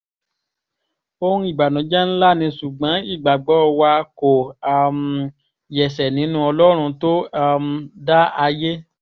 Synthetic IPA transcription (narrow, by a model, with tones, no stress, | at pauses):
o˧ɾ̃ũ˦i˦˨ɡ͡ba˨nɔ̃˨˦d͡ʒɛ˦n̩˦la˦˨nĩ˧su˨ɡ͡bã˨˦i˦˨ɡ͡ba˨ɡ͡bɔ˨˦˧wa˧ko˨a˨m̩˨ | jɛ˨sɛ˨nĩ˨˦nũ˧˦ɔ˧lɔ˦ɾ̃ũ˧to˦a˧m̩˧da˦a˧je˦